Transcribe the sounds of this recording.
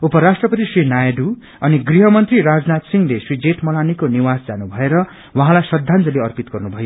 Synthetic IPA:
upʌɾasʈrʌpʌt̪isrinajɖu | ʌniɡriɦʌmʌnt̪riɾad͡znat̪siŋlesrid͡zeʈʰmʌlanikoniwasd͡zanubʱʌeɾʌ | wʌaɦãlajsʌd̪ʱːand͡zʌleʌrpit̪ɡʌrnubʱʌjo

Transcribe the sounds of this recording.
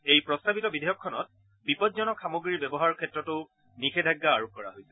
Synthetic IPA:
ejpɹɔstabitɔbidʱejɔkʰːɔnɔ̰t̚ | bipɔtzɔnɔkʰamoɡɹiɹbɛbɔɦaɹkʰɛtɹɔtʊ | nikʰedʱaɡːaːɹok̚kɔɹa̰ɦojsɛ̥

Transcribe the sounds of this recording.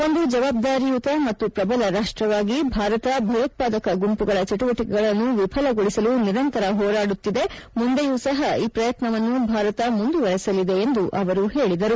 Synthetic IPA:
o̞nd̪ud͡ʒɐʋaːb̚d̪aːɾijut̪ɐmɐt̪ːupɾɐbɐlɐɾaːʂʈɾɐʋaːɡibʱaːɾɐt̪ɐbʱɐjɐt̪̚paːd̪ɐkɐɡumpuɡɐɭɐt͡ʃɐʈuʋɐʈikɛɡɐɭɐnːuʋipʰɐlɐɡoɭisɐluniɾɐnt̪ɐɾɐɦɔːɾaːɽut̪ːid̪e̞mund̪ejuːsɐɦɐiːpɾɐjɐt̪nɐʋɐnːubʱaːɾɐt̪ɐmund̪uʋɐɾɛsɐlid̪e̞ːnd̪uʔɐʋɐɾuɦe̞ːɭid̪ɐɾu

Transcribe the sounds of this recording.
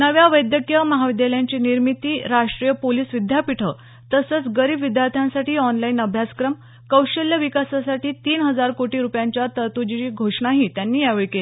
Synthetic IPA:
nəʋjaʋəjd̪jəkjəməɦaʋid̪ʱjeljaɲt͡ɕiːniɾmit̪iːɾaʂʈɾijəpoliːsʋid̪ʱjapiʈʰə | t̪əsət͡sɡəɾiːbʋid̪jaɾt̪ʰjãnsaʈiːɔnlainəbʱjaskɾəm | kəwɕəljəʋikasasaʈiːt̪iːnɦəd͡zaɾkoʈiːɾupjaɲt͡ɕjat̪ət̪ud͡ʑiiːɡʱoʂɳaɦiːt̪janːiːjaʋəɭkelii

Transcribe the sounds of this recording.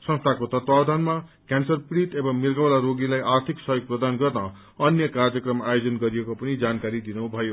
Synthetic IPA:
sʌ̃nst̪ʰakot̪ʌt̪wawd̪ʱanmakansʌrpiɾit̪ebʌmirɡawlaɾoɡilajʔart̪ʰiksʌjoɡ̚prʌd̪anɡʌrnʌ | ʌnjʌkard͡zjʌkrʌmajod͡zʌnɡʌɾiekopʌnid͡zankaɾid̪inubʱʌjo

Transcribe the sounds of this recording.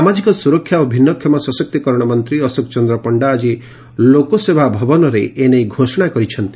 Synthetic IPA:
samad͡ʒikɔsuɾɔkʰːjaobʱinːɔkʰjɔmasɔsɔk̚t̪ikɔɾɔɽ̃ɔmɔnt̪ɾiɔsok̚t͡ʃɔnd̪ɾɔpɔɳɖaːd͡ʒi | lokosebʱabʱɔbɔnɔɾeʔenejɡʱosɔɽ̃akɔɾit͡ʃʰɔnt̪i

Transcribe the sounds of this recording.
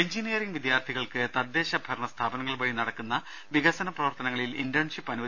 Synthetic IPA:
eɲd͡ʑinijɐriŋɡʋid̪jaːrt̪ʰiɣɐɭkɨt̪ɐd̪ːe̞ːɕɐbʱɐrɳɐst̪ʰaːbɐnɐŋːɐɭbɐɻinɐɽɐkːunːɐ | ʋiɣɐsɐnɐprɐʋɐrt̪ɐnɐŋːɐɭilindɐɳʂipːɐnuʋɐ

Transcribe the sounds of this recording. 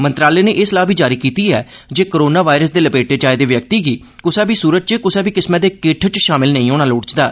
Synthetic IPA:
mənt̪ɾaːleːnẽːʔɪslaːbʱiːd͡ʒaːɾiːkiːt̪iːɛ̰ː | d͡ʒeːkoɾoːnaːʋaːɪɾəsd̪eːləpeːʈeːt͡ʃaːed̪eːʋjək̚t̪iːɡiː | kʊsɛːbiːsuːɾət̪̚t͡ʃekʊsɛːbiːkɪsmɛ̃ːd̪eːkeːʈʰt͡ʃʃaːmɪlnəĩːoːɽ̃aːloːɽt͡ʃd̪aː

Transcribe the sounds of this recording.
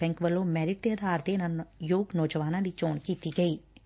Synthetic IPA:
ɛ̃ŋkʋəlõːmɛːɾɪʈ̚d̪eəd̪ʱaːɾd̪eːnajoːɡnɔːd͡ʒəʋaːnãːd̪iːt͡ʃoːɳkiːt̪iːɡəiː

